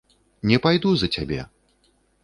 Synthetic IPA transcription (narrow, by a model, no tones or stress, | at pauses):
nʲɛpajd̪uzɐt͡sʲabʲɛ̰